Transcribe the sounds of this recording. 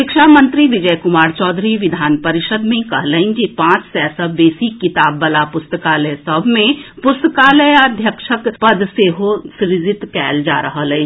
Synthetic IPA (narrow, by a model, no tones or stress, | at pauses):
ʃɪkʃaːmə̃nt̪ɾiʋɪd͡ʒəjkʊmaːɾt͡ʃɔːd̪ʱɾiʋɪd̪ʱaːnpɐɾɪʃəd̪mẽkɐɦləɪ̃nd͡ʒipãːt͡ʃsɛːsəbeːsikɪt̪aːbːɐlapʊst̪əkaːləjsɐbʱmẽpʊst̪əkaːləjəd̪ʱjəkʃəkpɐd̪seːɦosɾɪd͡ʒɪt̪kɛːld͡ʒa̰ːɾɐɦəlĩ